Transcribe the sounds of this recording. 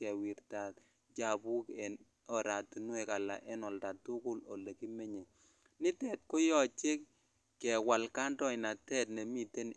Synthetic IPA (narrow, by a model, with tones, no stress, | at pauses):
ɛ˨wi˨ɾta˨t | d͡ʒa˨bu˦kɛ˨n | ɔ˨ɾa˨ti˨nwɛ˨ka˨la̰˨ʔɛ˦nɔ˨lda˨tʊ˦kʊ˦lo̰˨le˨ki˦me˦ɲe˨ | nɪ˦tɛ˨t̚ko˦jɔ˨t͡ʃe˦kː | ɛ˨wa˨lka˦ndɔ˦ɪ˨na˨tɛ˦t̚ne˨mi˦te˦n